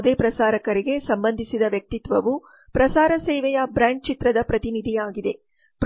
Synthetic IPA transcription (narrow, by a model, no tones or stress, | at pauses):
d̪eːpɾɐsaːɾɐkɐɾiɡe̞sɐmbɐnd̪ʱisid̪ɐʋjɐk̚t̪it̪ʋɐʋu | pɾɐsaːɾɐsɛːʋɛjɐbɾaːɳʈ̚t͡ʃit̪ɾɐd̪ɐpɾɐt̪inid̪ʱijaːɡid̪e̞ | pɾ